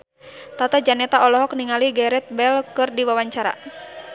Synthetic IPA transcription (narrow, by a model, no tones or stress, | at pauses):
t̪at̪ad͡ʒanɛt̪aɔlɔɦɔk̚niŋaliɡɛɾɛt̪̚bɛlkɨrdiwawaɲt͡ʃaɾa̰